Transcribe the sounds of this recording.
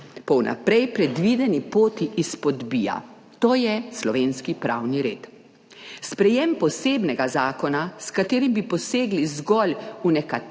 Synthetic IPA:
pɔwnʔa̰pɾɛjpɾɛd̪ʋid̪ɛnipoːt̪iːspɔd̪biːja̰ | t̪oːjɛslɔʋeːnskipɾawniɾḛːt̪ | spɾɛjɛmpɔseːbnɛɡazaːkɔnaskat̪eːɾimbipɔseːɡlizɡɔlunɛka

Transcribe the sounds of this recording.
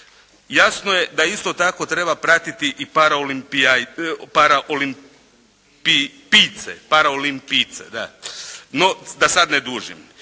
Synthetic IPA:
jasnojed̪aist̪o̞t̪ako̞t̪ɾe̞bapɾat̪it̪iʔipaɾaolimp | paɾaʔolim | pipit̪sḛpaɾaolimpit̪sḛd̪a̰nod̪asad̪ned̪uːʒḭm

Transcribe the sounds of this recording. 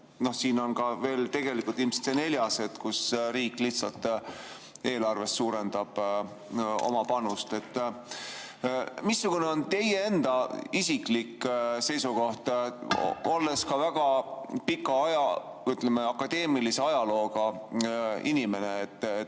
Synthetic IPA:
no̞hsiːno̞nkɑve̞ːlt̪e̞ɡ̥e̞likːˑult̪ilmse̥t̪sene̞ljɑse̞t̪kusɾiːkːˑliht̪sɑlt̪ | e̞ːlɑrve̞st̪suːɾend̪ɑb̥ | o̞̰mɑpɑnust̪e̞t̪ː | misːuɡ̥une̞o̞nt̪e̞jee̞nd̪ɑisiklikːse̞jsuko̞ht̪ | olːe̞skɑvæɡ̥ɑpikːˑɑɑjɑ | t̪ːˑlemeɑkːɑd̪̥e̞ːmilise̞ɑjɑlo̞ːɡɑ | inime̞ne̞ːt̪ː

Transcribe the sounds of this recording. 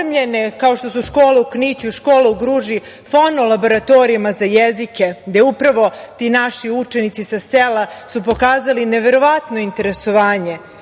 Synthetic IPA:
mʎene̞kaoʃt̪o̞suʃkoːleuknit͡ɕuʃkoːleuɡɾuːʒi | fonolabo̞ɾat̪o̞ɾimazajezike̞ɡd̪e̞upɾaʋo̞t̪iːnaʃiut͡ʃe̞nit̪sisaselasupo̞kaːzaline̞ʋe̞ɾo̞ʋat̪no̞int̪e̞ɾeso̞ʋaːɲe̞

